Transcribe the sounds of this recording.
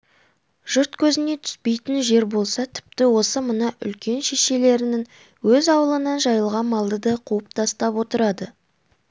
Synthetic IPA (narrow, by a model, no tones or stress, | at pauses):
ʒ̥ʊɾt̪kʲʰɵzɪne̞t̪ʰʏ̥spe̞jt̪ɪnʒe̞ɾbo̞lˠsɑt̪ʰɪ̥p̚t̪ɪwo̞səmənəʔʏ̰lkʲe̞nʃe̞ʃe̞le̞ɾɪnɪŋ | wɵzɑwəlˠənɑnʒɑjəlˠʁɑnmɑlˠd̪əd̪ɑqʰuəp̚t̪ʰɑst̪ɑpwo̞t̪əɾɑd̪ə